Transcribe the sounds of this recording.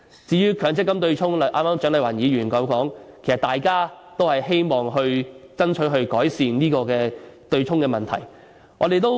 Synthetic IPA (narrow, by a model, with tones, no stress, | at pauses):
t͡siː˨˥jyː˥kʰœː˨˧˥ŋt͡sɪ˥kːɐ˥mt̪ɵ˧ɥt͡ʃʰʊ˥ŋlɐ˨˧˩ʔaː˥maː˥mt͡ʃœː˨˥ŋlɐ˨˩wɐ˨˩njiː˨˥jyː˨˩nkɔː˨˥wkɔː˨˥ŋkʰe˨˩sɐ˨t̪̚aː˨jkaː˥t̪o˥whɐ˨jɦe˥jmɔː˨ŋɦɵ˧ɥt͡sɐ˥nt͡ʃʰɵ˨˥ɦɵ˧ɥkɔː˨˥jsiː˨nniː˥kɔː˧kɛː˧t̪ɵ˧ɥt͡sʰʊ˥ŋkɛː˧mɐ˨nt̪ʰɐ̰˨˩j | ŋʔɔ̰ː˨˧ɾe˨jt̪̬o˥w